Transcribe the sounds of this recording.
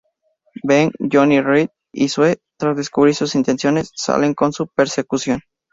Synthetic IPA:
beŋʝonirit̪ | ḭswet̪ɾazðeskuβɾiɾsusint̪e̞nsjo̞ne̞sːa̰le̞ŋko̞nsupeɾse̞kusjo̞n

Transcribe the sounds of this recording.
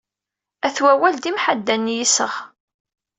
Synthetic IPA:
æθwæwæld̪imħad̪ːænːjisəʁ

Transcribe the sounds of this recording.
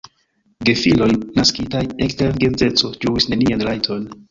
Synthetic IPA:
ɡe̞filo̞jnaskitajekteɾɡe̞nd͡ze̞t͡so̞d͡ʒuwisne̞nianlajtʰo̞n

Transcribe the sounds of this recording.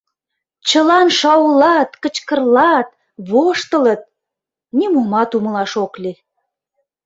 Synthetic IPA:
t͡ɕəlɑnʃɑwlɑt̪kət͡ɕkə̆rlɑt̪̚ | βoʃt̪ələt̪̚ | nʲimumɑt̪uməlɑʃokli

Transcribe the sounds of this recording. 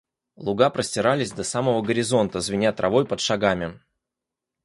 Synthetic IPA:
lˠʊɡapɾəsʲtʲɪɾalʲɪzʲd̪ɐsaməvəɡəɾʲɪzo̞nt̪əzvʲɪnʲat̪ɾʔɐ̰vo̞jpət̪ʂaɡamʲɪ

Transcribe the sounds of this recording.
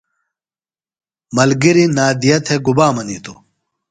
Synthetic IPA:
mɐlɡiɾinaːd̪ijɐt̪ʰeɡubaːmɐniːt̪o

